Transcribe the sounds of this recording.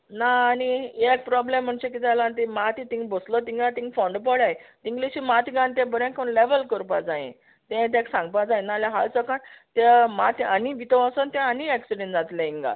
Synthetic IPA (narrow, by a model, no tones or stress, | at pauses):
naːniek̚pɾɔblem̤ːəɳt͡ɕek̬it̪alãnt̪imat̪it̪ĩŋɡboslət̪iŋɡat̪ĩŋɡfɔ̃ɳɖpɔɽajt̪ĩŋɡliɕimat̪iɡãnt̪̬ɛ̃bəɾɛ̃kʰonleʋəlkəɾpad͡zãḛ̃ | t̪ɛ̃t̪̬ɛ̃ksãŋɡ̚pad͡zãj̃naljaɦalt͡səkant̪emat̪aniʋit̪əʋasənt̪ɛ̃əniɛksiɖẽnd͡zat̪lãĩŋɡa̰